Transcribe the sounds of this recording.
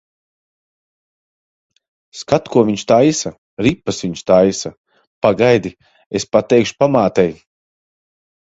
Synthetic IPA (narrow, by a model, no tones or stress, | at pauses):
skat̪kuɔviɲʃt̪ajsa | ɾipːasvʲiɲʃt̪ajsa | paɡajd̪i | espat̪ɛjkʃu̥pamaːt̪ɛj